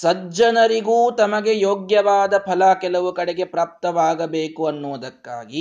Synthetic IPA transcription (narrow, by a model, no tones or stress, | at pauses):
sɐd͡ʒɐnɐɾiɡuːt̪ɐmɐɡe̞joːɡjɐʋaːd̪ɐpʰɐlɐkɛlɐʋukɐɽeɡe̞pɾaːp̚t̪ɐʋaːɡɐbeːkuɐnːuːʋɐd̪ɐkːa̰ːɡi